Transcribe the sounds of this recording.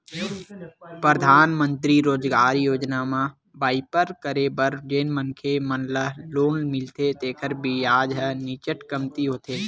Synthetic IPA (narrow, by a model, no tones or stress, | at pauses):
pɾəd̪ʱaːnmə̃nt̪ɾiɾoːd͡ʒɡaːɾjoːd͡ʒnamã | baːɪpəɾkəɾebəɾd͡ʒeːnmənkʰemənləɦloːnmɪlt̪et̪eːkʰəɾbijaːd͡ʒɦɛnit͡ʃəʈkəmt̪iɦoːt̪eː